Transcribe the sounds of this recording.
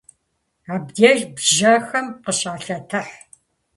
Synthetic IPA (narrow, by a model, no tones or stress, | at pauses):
aːbdeːʒbʒɐxɐmqəɕʼaːɬɐtʰɨħ